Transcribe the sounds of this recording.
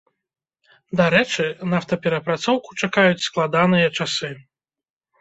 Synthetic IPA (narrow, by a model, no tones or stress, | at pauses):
d̪aɾɛt͡ʂɨnawt̪ɐpʲɛɾɐpɾat̪sɔwku̥t͡ʂakajut͡sʲsklˠad̪anɨjɐt͡ʂasɨ